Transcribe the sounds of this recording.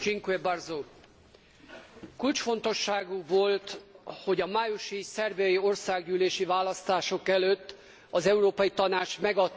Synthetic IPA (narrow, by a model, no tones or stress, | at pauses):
t͡ʃiŋkuebɒrzoː | kult͡ʃfo̞nt̪o̞ʃːaːɡuvolt̪ho̞ɟɒmaːjuʃisɛrbijɒjio̞rsaːɡɟyːleːʃivaːlɒst̪aːʃokɛløt̪ː | ɒzɛuɾoːpɒjit̪ɒnaːt͡ʃmɛɡɒt̪ː